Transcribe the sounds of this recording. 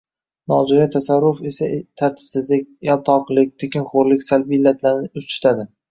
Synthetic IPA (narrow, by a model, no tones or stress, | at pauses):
nɒd͡ʒɒjat̪ʰasaɾːʊfe̞sat̪ʰaɾt̪ʰɪ̥bsɪzlɪkʲjalˠt̪ʰɒqlɪk̚ʲt̪ʰekʲɪnχoɾlɪkʲsalbɪlːat̪ʰlaɾnɪʊt͡ʃɪ̥t̪ʰad̪ɪ